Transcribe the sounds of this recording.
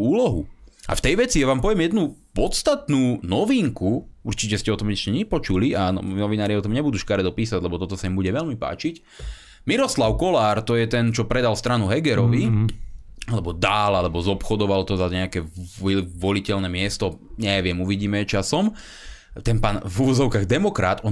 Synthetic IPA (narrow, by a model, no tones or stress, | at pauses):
uːlɔɦṵʔa̰ft̪ɛjʋɛt͡sijaʋaːmpɔʋɛmjɛd̪nupɔt̪st̪at̪nuːnɔʋiŋkuuɾt͡ʃicɛscɛɔt̪ɔmɛscɛɲɛpɔt͡ʃulianɔ̰nɔʋinaːɾiɔt̪̬ɔmɲɛbud̪uːʃkaɾɛd̪ɔpiːsaɟlɛbɔt̪ɔt̪ɔsaimbuɟɛʋɛlmipa̰ːt͡ʃic | miɾɔslaʊkɔlaːɾt̪ɔjɛt̪ɛnt͡ʃɔpɾɛd̪alst̪ɾanuɦɛɡɛɾɔʋi | alɛbɔd̪alalɛbɔzɔpxɔd̪ɔʋalt̪ɔzaɲɛakɛiʋɔlicɛlnɛmɪɛst̪ɔɲɛʋɪɛmuʋiɟiːmɛt͡ʃasɔm | t̪ɛnpaːnvuʋɔzɔʊkaɣd̪ɛmɔkɾa̰t̪ɔ